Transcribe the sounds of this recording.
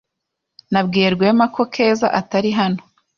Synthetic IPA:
nabɡiːɾɡwemako̞kʰe̞ːza̰ʔataɾiɦano

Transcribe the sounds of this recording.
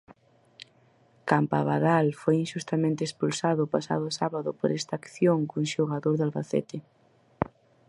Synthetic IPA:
kampaβaðalfojinʃust̪amẽnt̪espulsaðʊpasa̰ðʊsaβaðʊpoɾɛst̪aːkθjoŋkuŋʃoɣaðoɾðalβaθɛ̰t̪ɪ

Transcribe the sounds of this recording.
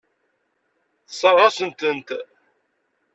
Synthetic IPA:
sˤɑʁɑsənt̪ənt̪

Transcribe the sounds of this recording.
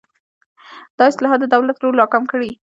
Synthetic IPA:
d̪̥ɑɪslɑɦɑt̪d̪d̪əd̪awlat̪ɾoɾlɑkamkəɽi

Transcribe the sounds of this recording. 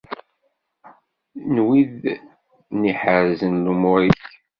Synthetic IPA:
nwið | niħəɾzənlumʊɾiç

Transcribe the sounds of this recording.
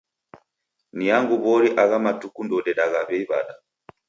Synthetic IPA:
nijaŋɡuβɔɾiʔaɣamatukundɔɗɛɗaɣaβɛiβa̰ɗa

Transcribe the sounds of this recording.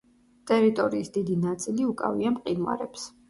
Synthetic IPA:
t̪ʼɛɾit̪ʼɔɾiːsd̪id̪inat̪sʼiliukʼa̰viamqʼinwa̰ɾɛps

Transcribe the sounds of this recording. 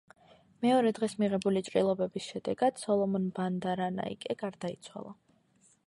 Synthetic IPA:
mɛɔɾɛd̪ʁɛsmiʁɛbulit͡ʃʼɾʼilˠɔbɛbisʃɛd̪ɛɡad̪̥sɔlˠɔmɔnband̪aɾana̰ḭkʼɛɡaɾd̪ait̪sʰwa̰lˠa

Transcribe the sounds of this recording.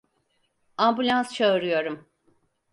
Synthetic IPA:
ambulʲanst͡ʃʰaɯɾɯjo̞ɾum

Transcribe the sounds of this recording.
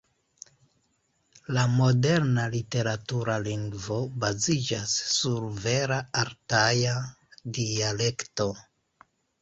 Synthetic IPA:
lamo̞de̞ɾnalite̞ɾatuɾaliŋɡvo̞bazid͡ʒasːuɾve̞ɾaaɾtaja | diale̞kto̞

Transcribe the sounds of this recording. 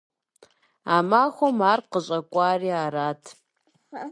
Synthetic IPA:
amaːxʷomaːrqəɕʼɐkʷʼaːriːaːɾaːtʰ

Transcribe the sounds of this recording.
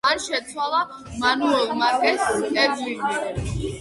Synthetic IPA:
anʃɛt̪sʰwalˠa | manuɛlˠmat̪ɛsɛdlili

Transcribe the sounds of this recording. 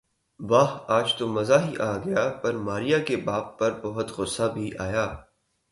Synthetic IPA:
ʋaːɦaːd͡ʒt̪omɐzaɦiʔaːɡɐjapɐɾmaːɾijakebaːp̚pɐɾbɐɦʊt̪ɣʊsabʱiʔaːjaː

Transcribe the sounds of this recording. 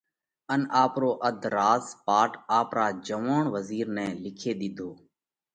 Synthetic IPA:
ənaːpɾoːʔəd̪ʱɾaːzpaːʈaːpɾaːd͡ʒəʋaːɳʋəziːɾnɛ̃ːlɪkʰeːɗ̪ɪd̪ʱoː

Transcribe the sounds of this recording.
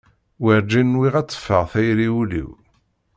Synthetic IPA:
wəɾd͡ʒinːwiʁæt͡sˤːə̥fːəʁθæjɾiulḭw

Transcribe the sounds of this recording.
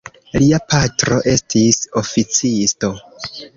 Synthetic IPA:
liapʰatɾo̞ʔe̞stiso̞fit͡sisto̞

